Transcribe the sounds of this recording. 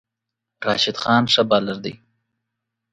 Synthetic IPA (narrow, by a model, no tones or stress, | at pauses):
ɾɑːʃɪd̪xɑːnʂabɑlaɾd̪ə̰j